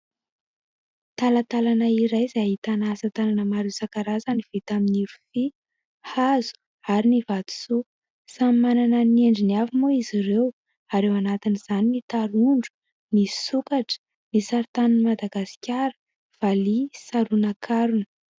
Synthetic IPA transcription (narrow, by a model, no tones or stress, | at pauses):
t̪alat̪alanaiɾajzait̪anasət̪alanəmaɾewsakaɾazaniv̥et̪aminiɾufi | hazu̥ | aɾinivat̪u̥su | samimananəneɳɖ͡ʐiniavimuiziɾew | aɾewanat̪iniz̥aninit̪aɾuɳɖ͡ʐu̥ | nisukaʈ͡ʂə̥ | nisaɾt̪anunimad̪aɡasi̥kʲaɾə̥ | v̥alisaɾunakʰaɾunə̥